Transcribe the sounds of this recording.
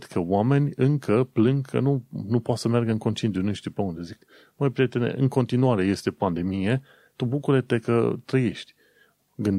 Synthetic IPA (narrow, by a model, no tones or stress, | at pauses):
d̪̥kʰəwame̞nʲɨŋkʰəplɨŋɡkʰə̰nunupoat̪səmjarɡəɨŋko̞nt͡ʃient̪unuʃt̪ipeund̪e̞zik | məjpɾijet̪enḛʔɨŋko̞nt̪inuaɾe̞je̞st̪e̞pand̪e̞mije̞ | t̪ubukuɾet̪e̞kə̰t̪ɾəje̞ʃt̪ʲ | ɡɨnd̪